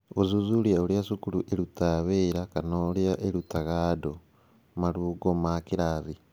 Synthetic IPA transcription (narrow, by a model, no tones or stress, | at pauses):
ozuzuljaoljasukuluʔeɾutaβeɾakanoljaʔeɾutaɣado | maluɡomakiɾaβi